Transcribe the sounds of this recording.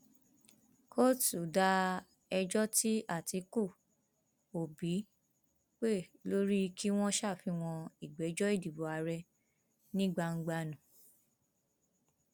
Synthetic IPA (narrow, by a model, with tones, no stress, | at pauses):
kʰo˦tu˨da˧˦ | ɛ˧d͡ʒɔ˦ti˦a˦˨ti˧ku˦˨ | o˨bi˨˦ | k͡pe˦˨lo˦ɾi˦ki˦w̃ɔ̃˦ʃa˦˨fi˧w̃ɔ̃˧i˨ɡ͡bɛ˨˦d͡ʒɔ˦i˦˨di˨bo˨a˧ɾɛ˧ | nĩ˦ɡ͡ba˧ŋ̩˦ɡ͡ba˧nũ˨